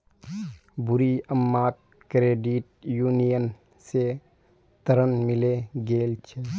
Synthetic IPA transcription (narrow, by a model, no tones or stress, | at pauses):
bʊɾiəmːaːt̪̚ | kɾeːɖiʈ̚juːnijən | se | t̪əɾənmɪleɡeːlt͡ʃʰɛ